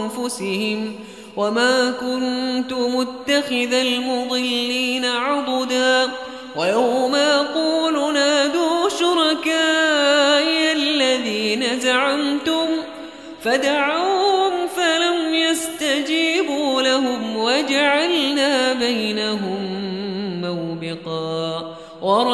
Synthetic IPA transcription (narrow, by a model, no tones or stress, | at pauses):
nfʊsɪhɪm | wamaːkʊnt̪ʊmʊt̪ːaxɪðalmʊd̪ˤɨlːiːnaʕʊd̪ˤd̪aː | wajawmajɑquːlunaːd̪uːʃʊɾˤɑkaːʔɪʔalːaðiːnazaʕamt̪ʊm | fad̪aʕawhʊmfalamjast̪ad͡ʒiːbuːlaɦʊmwad͡ʒaʕalnaːbajnaɦʊmː | awbɪqɑː | wɑɾˤ